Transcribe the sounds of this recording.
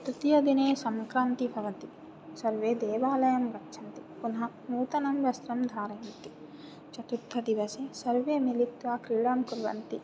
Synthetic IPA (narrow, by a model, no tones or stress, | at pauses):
t̪ɾit̪ijɐd̪ineːsɐmkɾaːnt̪ibʱɐʋɐt̪i | sɐɾʋeːd̪eːʋaːlɐjɐmɡɐtːʃʰɐnt̪ipunɦɐ | nuːt̪ɐnɐmʋɐst̪ɾɐmd̪ʱaːɾɐɐnt̪i | t͡ʃɐt̪ut̪ʰːɐd̪iʋɐsesɐɾʋeːmilit̪ʋaːkɾiːɭaːmkuɾʋɐ̰nt̪i